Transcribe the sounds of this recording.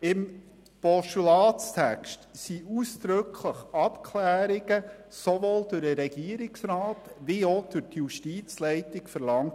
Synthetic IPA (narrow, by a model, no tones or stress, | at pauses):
ɪm | pɔʃulɑːst̪ʰækʃtsiʔuːsd̪̥ɾɵkʰləχɑpkʰlæːɾɪɡ̥əsovoːld̥ʉɾəɾɛɡ̥iəɾɪksɾɑːtʋiod̥ʉɾtjuʃtiːt͡slɛɪtɪkfəɾlɑŋt